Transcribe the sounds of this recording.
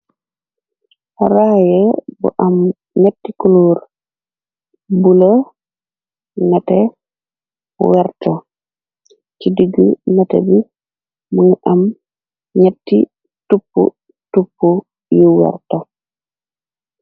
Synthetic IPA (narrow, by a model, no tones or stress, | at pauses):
ɾajɛbɔ̰ʔam | ɲetːikuluɾ | bulo | natɛ | wɛɾto | kidiɡunatɛ̰bi | muŋʔam | ɲetːi | tupːṵ | tupːu | juwɛ̰ɾto